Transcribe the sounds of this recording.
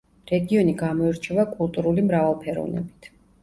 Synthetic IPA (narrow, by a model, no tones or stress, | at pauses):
ɾɛɡiɔniɡamɔɛɾt͡ʃʰɛvakʼulˠt̪ʼuɾulimɾavalˠpʰɛɾɔ̰vnɛ̰bit̪ʰ